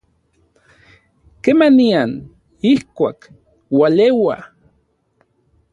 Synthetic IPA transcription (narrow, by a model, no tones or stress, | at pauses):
kemanian | ihkʷak | walewa̰